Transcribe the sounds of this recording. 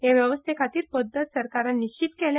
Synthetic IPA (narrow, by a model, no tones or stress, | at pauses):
jaʋjəʋəst̪ʰekʰat̪iːɾpəd̪ʱːət̪səɾkaɾannːit͡ɕit̪kelj